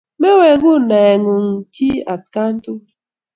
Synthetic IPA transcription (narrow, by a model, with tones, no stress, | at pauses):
me˦we˨ɣu˦˨ne˨ŋu˨ŋ˨ti˦a˨t̚ka˦n̩˦tu˦